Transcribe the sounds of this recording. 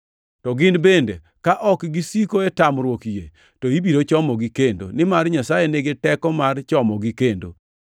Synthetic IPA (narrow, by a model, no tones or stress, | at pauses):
tɔɡɪnbendḛ | kaʔɔkɡisikoetamɾwokijḛ | toibiɾot͡ʃɔmɔɡikendo̰nɪmarɲasajeneɡɪtɛkɔmart͡ʃɔmɔɡikendo̰